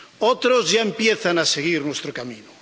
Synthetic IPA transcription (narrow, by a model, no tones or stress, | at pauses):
ot̪ɾozʝaempjeθanaseɣ̞iɾnwest̪ɾokamĩno